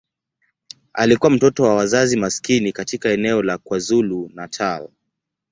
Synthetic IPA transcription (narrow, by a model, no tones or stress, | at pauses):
a̰likuwam̩tɔtɔwawazazimaskinikatikaɛnɛɔlakwazulunatʰaɔ